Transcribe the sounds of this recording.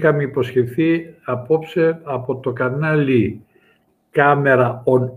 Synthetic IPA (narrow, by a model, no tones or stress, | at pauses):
xɐmeiposçe̞θiɐpo̞pseɐpo̞t̪o̞kɐnɐli | kɐme̞ɾɐon